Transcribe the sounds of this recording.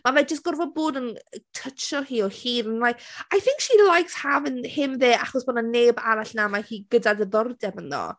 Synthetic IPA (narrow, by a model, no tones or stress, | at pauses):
mavɛd͡ʒəstɡ̥ɔrvɔboːdənətʰət͡ʃɔhiːɔhiːnənlajkajθɪŋkʃilˠajkshavənhɪmðeːʔaχɔsb̥ɔnaneːbaɾaɬnamahiːɡədadəðɔrdɛmənðɔ̰